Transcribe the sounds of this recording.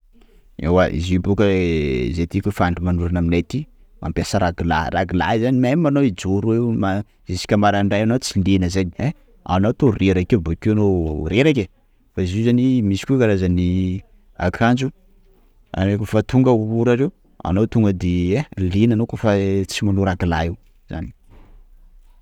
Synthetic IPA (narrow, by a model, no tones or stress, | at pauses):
ḛwaʔḭzibokəzet̪ikʲufaɳɖ͡ʐimanuɾanaminat̪i | mʔa̰mpʲjasəɾaɡila̰ɾaɡila̰izanimamimanowid͡ʒoɾuema | zesi̥kʲəmaɾaɳɖ͡ʐajanot͡silenəzanie | a̰not̪oreɾakebokeanoɾeɾakʲe | faizuzanimisi̥kʲukaɾazani | a̰kʰand͡ʒu | a̰nekofat̪ʰuŋɡəuuɾaɾew | a̰nowt̪uŋɡəd̪eelenanokofat͡simanuɾaɡilaew | z̥a̰ni̥